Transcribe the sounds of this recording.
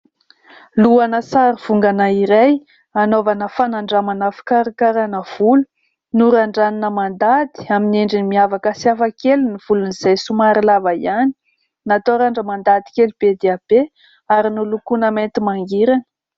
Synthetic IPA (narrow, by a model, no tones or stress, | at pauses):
luanəsaɾiv̥uŋɡanaiɾaj | anovanəfanaɳɖ͡ʐamanafi̥kaɾikaɾanəv̥ulu | nuɾaɳɖ͡ʐaninəmand̪ad̪i̥amineɳɖ͡ʐinimiavakəsiafəkeluniv̥uluniz̥ajsumaɾilavaiani̥ | nat̪oɾaɳɖ͡ʐəmand̪ad̪i̥kelub̥ed̪eab̥e | aɾinulukunəment̪imaŋɡiɾanə̥